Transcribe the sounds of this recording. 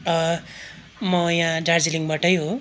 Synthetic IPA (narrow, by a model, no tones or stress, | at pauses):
ʌ | mʌjããɖard͡ziliŋbaʈʌjɦo